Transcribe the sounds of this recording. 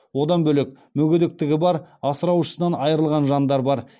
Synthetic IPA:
wo̞d̪ɑnbɵlek̚ | mɵɡʲed̪ek̚t̪ɪɡʲɪbɑɾɑsəɾɑwʃə̥sənɑnɑjəɾəlˠʁɑnʒɑnd̪ɑɾbɑɾ

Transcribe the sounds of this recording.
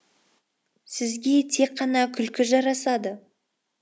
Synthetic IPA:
sɪzɡʲe̞t̪ʰe̞kqʰːɑnɑkʲʰʏlkʲɪʒɑɾɑsɑd̪ə

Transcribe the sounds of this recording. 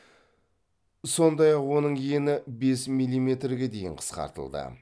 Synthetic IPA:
so̞nd̪ɑjɑqwo̞nəɴje̞nɪbe̞smijlʲˠːijme̞t̪ɾɡʲe̞d̪e̞jɪɴqʰə̥sqɑ̰ɾt̪ə̰lˠd̪ə̰

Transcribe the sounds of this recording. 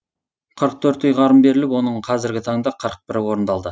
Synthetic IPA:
qʰəɾəq̚t̪ʰɵɾt̪ʏjʁɑɾəmbe̞ɾɪlɪpwo̞nəɴqʰɑzɪɾɡʲɪt̪ʰɑɴəd̪ɑqʰəɾəq̚bɪɾɪwo̞ɾnd̪ɑlˠd̪ə

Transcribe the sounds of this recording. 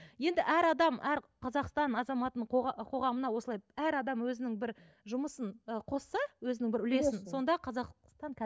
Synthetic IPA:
je̞nd̪ɪʔæɾɑd̪ɑmʔæɾqʰɑzɑqst̪ɑnɑzɑmɑt̪əəɴqʰo̞ʁɑmənɑwo̞səlˠɑjæɾɑd̪ɑmwɵzɪnɪŋbɪɾ | ʒʊməsənəqʰo̞sːɑwɵzɪnɪŋbɪɾʏle̞sɪnso̞nd̪ɑqʰɑzɑqst̪ɑɴkʲʰ

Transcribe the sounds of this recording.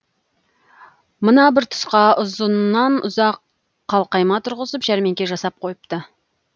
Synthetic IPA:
mənɑbɪɾt̪ʰʊ̥sqɑʊzənːɑnʊ̰zɑqː | ɑlˠqɑjmɑt̪ʰʊɾʁəzəpʒæɾme̞ŋkʲe̞ʒɑsɑp̚qʰo̞jəp̚t̪ə

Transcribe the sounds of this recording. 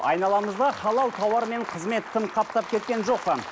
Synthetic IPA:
ɑ̰jnɑlˠɑməzd̪ɑχɑlˠɑwˠt̪ʰɑwɑɾme̞ɴqʰəzme̞t̪ʰːɪmqʰɑp̚t̪ɑp̚kʲʰe̞t̪̚kʲe̞nʒo̞qpə

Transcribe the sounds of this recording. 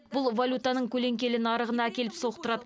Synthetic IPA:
bʊlˠvolʲut̪ɑnəɴkʲʰɵle̞ŋkʲe̞lɪnɑɾəʁənɑækʲe̞lɪpso̞qt̪əɾɑd̪ə

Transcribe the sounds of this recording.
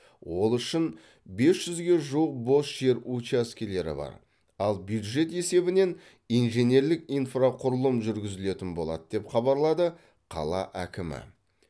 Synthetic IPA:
wo̞lˠʏʃɪn | be̞sʒ̥ʏzɡʲe̞ʒuwəq̚bo̞sʒ̥e̞ɾut͡ʃaskʲele̞ɾɪ̰bɑ̰ɾ | ɑlˠbjud̪ʒe̞t̪e̞se̞bɪne̞n | ijnʒe̞ne̞ɾlɪkijnfraqʰʊɾʊlˠəmʒʏɾɡʲɪzɪle̞t̪ɪnbo̞̰lˠɑ̰d̪əd̪e̞pχɑbɑɾlˠɑd̪ə | qʰɑ̰lˠɑ̰ʔækʲɪmɪ̰

